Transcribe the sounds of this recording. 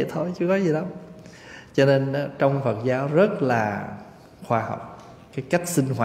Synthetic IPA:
t̪ʰo˧jt͡ɕɨ˨˦kɔ˨˦zi˨˩ɗa˨˦m | t͡ɕɔ˧ne˧n˨˦t͡ɕɔ˧wŋ͡mfə˨˩t̚zaː˨˦wzə˦˥t̚laː˨˩ | xwaː˧ha̰˨˩wk͡p̚ | kaː˨˦jka˦˥jk̟̚sï˧ŋ̟ɦwa˧˩

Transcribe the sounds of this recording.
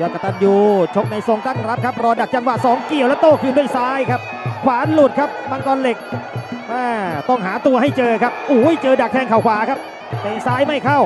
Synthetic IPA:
jɔː˧˩ka˧˩t̪a˧njuː˧t͡ɕʰo˦˥k̚na˧jso˧ŋt̪a˥˩ŋɾa˦˥p̚kʰa˦˥p̚ɾɔː˧da˨˩k̚t͡ɕa˧ŋwaː˨˩sɔː˨˩˦ŋki˨˩əwlɛ˦˥t̪oː˥˩kʰɯː˧du˥˩əjsaː˦˥jkʰa˦˥p̚ | kʰwaː˩˦nlu˨˩t̪̚kʰa˦˥p̚ma˧ŋkɔː˧nle˨˩k̚ʔaː˧˩t̪ɔ˥˩ŋɦaː˩˦t̪u˧ɐha˥˩jt͡ɕɤː˧kʰa˦˥p̚ʔuː˨˩˦jt͡ɕɤː˧da˨˩k̚t̪ʰɛː˧ŋkʰa˨˩wkʰwaː˩˦kʰa˦˥p̚ | t̪ɛː˧˩saː˦˥jma˥˩jkʰa˥˩w

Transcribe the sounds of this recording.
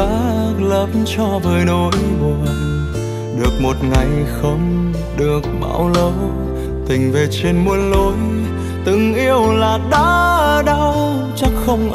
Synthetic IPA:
aː˧˦lə˨˩p̚mt͡ɕɔ˧vəː˨˩jno˨˦jmu˨˩ | ɗɨ˨˩ək̚mo˨˩t̚ŋa˨˩jxə˧˦wŋ͡m | ɗɨ˨˩ək̚ɓa̰ː˧˩wlə˧˦w | t̪ï˨˩ŋ̟ve˨˩t͡ɕe˧nmu˧ənlo˨˦j | t̪ɨ˨˧˩ŋʔi˧əwlaː˨˩ɗa˨˧˦ə˧˩ɗa˧˦ww | t͡ɕa˦˥k̚xə˧wŋ͡mʔ

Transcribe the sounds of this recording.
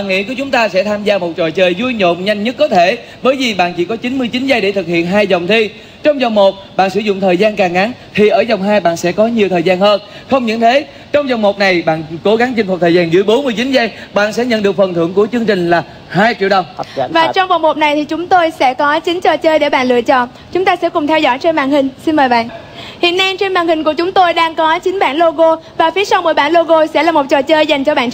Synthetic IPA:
aː˧˨nŋḭ˧˥ku˧˩ət͡ɕʊ˨˦ŋ͡mt̪aː˧sɛ̰˧˥t̪ʰaː˧mzaː˧mo˨˩t̚t͡ɕɔ̰˧˨jt͡ɕəː˨˩jzu˧jɲo̰˧˨mɲa˧jŋ̟ɲə˦˥t̚kɔ˨˦t̪ʰe˧˩˨ | ɓəː˨˦jvi˨˩ɓa̰ː˧˨nt͡ɕi˧˩kɔ˨˦t͡ɕi˨˦nmɨ˧əjt͡ɕi˨˦nzaː˧jɗe˧˩t̪ʰɨ˨˩k̚hḭ˧˨ənɦaː˧jzə˨˩wŋ͡mt̪ʰi˧ | t͡ɕɔ˧wŋ͡mzɔ˨˩wŋ͡mmo˨˩t̚ɓa̰ː˧˨nsɨ˧˩zʊ̰˧˨ŋ͡mt̪ʰəː˨˩jzaː˧nkaː˨˩ŋʔa˨˦n | t̪ʰi˨˩ʔəː˧˩zɔ˨˩wŋ͡mɦaː˧jɓa̰ː˧˨nsɛ̰˧˥kɔ˨˦ɲi˨˩əwt̪ʰəː˨˩jzaː˧nhəː˧nxə˧wŋ͡mɲɨ̰˧˥nt̪ʰe˨˦ | t͡ɕɔ˧wŋ͡mzɔ˨˩wŋ͡mmo˨˩t̚na˨˩jɓa̰ː˧˨nko˨˦ɣa˨˦ŋt͡ɕi˧nmu˨˩t̪ʰəː˨˩jzaː˧nzɨ̰˧˥əjɓo˨˦nmɨ˧əjt͡ɕi˨˦nza˧jɓa̰ː˧˨nsɛ̰˧˥ɲə̰˧˨nɗɨ˨˩ək̚fə˨˩nt̪ʰɨ̰˧˩əŋku˧˩ət͡ɕɨ˧əŋt͡ɕï˨˩ŋ̟laː˨˩ | haː˧jt͡ɕi˧˨wɗə˧˩wŋ͡mvaː˨˩t͡ɕɔ˧wŋ͡mɓa˨˩wŋ͡mmo˨˩t̚na˨˩jt̪ʰi˨˩t͡ɕʊ˨˦ŋ͡mt̪o˧jsɛ̰˧˥kɔ˨˦t͡ɕï˨˦ŋ̟t͡ɕɔ˨˩t͡ɕəː˧jɗe˧˩ɓa̰ː˧˨nlɨ̰˧˨ət͡ɕɔ̰˧˨n | t͡ɕʊ˨˦ŋ͡mt̪aː˧sɛ̰˧˥kʊ˨˩ŋ͡mt̪ʰɛ˧wzɔ̰˧˩jt͡ɕe˧nma̰ː˧˨nhï˨˩ŋ̟si˧nməː˨˩jɓa̰ː˧˨nʔ | hḭ˧˨ənːa˧jt͡ɕe˧nmaː˧˨nhï˨˩ŋ̟ku˧˩ət͡ɕʊ˨˦ŋ͡mt̪o˧jɗaː˧ŋkɔ˨˦t͡ɕi˨˦ŋ̟ɓa̰ː˧˨nlo˧ɣo˧vaː˨˩fi˨˦əsa˧wməː˨˧˩jɓaː˧˨nlo˧ɣo˧sɛ̰˧˥laː˨˩mo˨˩t̚t͡ɕɔ˨˩t͡ɕəː˧jza˨˩jŋt͡ɕɔ˧ɓa̰ː˧˨n

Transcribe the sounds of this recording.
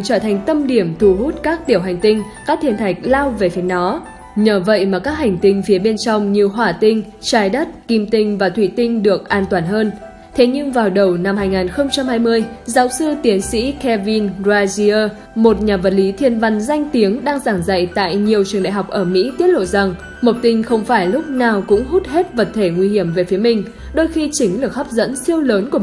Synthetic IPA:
t͡ɕəː˧˩t̪ʰa˨˩jŋ̟t̪ə˧mɗi˧˩əmt̪ʰu˧˩ɦu˦˥t̚kaː˦˥k̚t̪i˧˩əwɦa˨˩ŋ̟t̪ï˧ŋ̟ | kaː˦˥k̚t̪ʰi˧ənt̪ʰa˨˩jk̟̚laː˧wve˨˩fi˨˦nɔ˨˦ | ɲəː˨˦və̰˧˨jmaː˨˩kaː˦˥k̚ha˨˩jŋ̟t̪ï˧ŋ̟fi˨˦əɓe˧nt͡ɕɔ˧wŋ͡mɲi˨˩əwɦwaː˧˩t̪ï˧ŋ̟ | t͡ɕaː˧˩jɗə˦˥t̚ki˧mt̪ï˧ŋ̟vaː˨˩t̪ʰwḭ˧˨t̪ï˧ŋ̟ɗɨ˨˩ək̚ʔaː˧nt̪waː˧˩nɦəː˧n | t̪ʰe˨˦ɲɨ˧ŋvaː˨˩wɗə˨˩wna˧mhaː˧jŋaː˨˩nxə˧wŋ͡mt͡ɕa˧mhaː˧jmɨ˧əjzaː˨˦wsɨ˧t̪i˨˦ənsḭ˧˥kɛ˧vi˧nzaː˧zi˧əː˧ | mo˨˩t̚ɲaː˨˩və˨˩t̚li˨˦t̪ʰi˧ənva˨˧˩nza˧jŋ̟t̪i˨˦əŋɗaː˧ŋzaː˧˩ŋza̰˧˨jt̪a̰ː˧˨jɲi˨˩əwt͡ɕɨ˨˩əŋɗa̰˧˨ɦa˨˩wk͡p̚ʔəː˧˩mḭ˧˥t̪i˦˥ət̚lo̰˧˨za˨˩ŋ | mo˨˩k͡p̚t̪ï˧ŋ̟xə˧wŋ͡mfaː˧˩jlʊ˦˥k͡p̚naː˨˩wkʊ̰˧˥ŋ͡mɦu˦˥t̚he˦˥t̚və˨˩t̚t̪ʰe˧˩ŋwi˧hi˧˩əmve˨˩fi˨˦əmï˨˩ŋ̟ | ɗo˧jxi˧t͡ɕï˨˦ŋ̟lɨ˨˩ək̚ha˦˥p̚zə̰˧˥nsi˧əwləː˨˦nku˧˩

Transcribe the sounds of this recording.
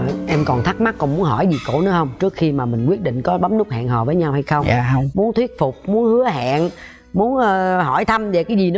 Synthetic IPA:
ʔɛ˧mkɔ˨˩nt̪ʰa˦˥k̚ma˦˥k̚kːɔ˨˩nmu˨˦ənhɔ˧˩jzi˨˩ko̰˧˩˥nɨ̰˨˦hə˧wŋ͡mt͡ɕɨ˦˥ək̚xi˧maː˨˩mï˨˩ŋ̟kwi˦˥ət̚ɗḭ˧˨ŋ̟kɔ˨˦ɓa˨˦mnʊ˦˥k͡p̚ha̰ː˧˨hɔ̰ː˧˨vəː˨˦jɲa˧wha˧jxə˧wŋ͡m̰mu˨˦ənt̪ʰwi˦˥ət̚fʊ˨˩k͡p̚mu˨˦ənhɨ˨˦əɦa̰ː˧˨n | mu˨˦ənʔːɦɔ˧˩jt̪ʰə˧mve˨˩kaː˨˦jzi˨˩nɨ˨˦

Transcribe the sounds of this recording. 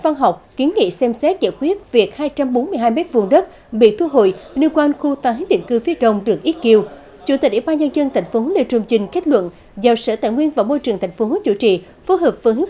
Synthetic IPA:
va˧nɦa˨˩wk͡p̚ki˨˦nŋḭ˧˨sɛ˧msɛ˦˥t̚zaː˧˩jkwi˦˥ət̚vi˨˩ək̚haː˧jt͡ɕa˧mɓo˨˦nmɨ˧əjɦaː˧jmɛ˦˥t̚vṵ˧˨ənɗə˦˥t̚ | ɓḭ˧˨t̪ʰu˧ɦo̰˧˨jnɨ˧kwaː˧nxu˧t̪aː˧˩hi˨˦nɗḭ˧˨ŋ̟kɨ˧fi˨˧əɗə˧˨wŋ͡mɗɨ˨˩ək̚ʔi˦˥t̚ki˧əw | t͡ɕu˧˩t̪i̟˨˩ʔi˧˩ɓaː˧nɲə˧nzə˧nt̪ʰa˨˩jŋ̟fo˨˦hlḛ˧˩t͡ɕu˨˩ŋ͡mt͡ɕï˨˩ŋ̟ke˦˥k̚lwə̰˧˨n | za˨˩sə̰ː˧˩t̪a̰ː˧˨jŋwi˧ənvaː˨˩wmo˧jt͡ɕɨ˨˩əŋt̪ʰa˨˩jŋ̟fo˨˦˨t͡ɕṵ˧˩t͡ɕḭ˧˨ | fo˨˦ɦəː˨˩p̚vŋhɨ˨˦

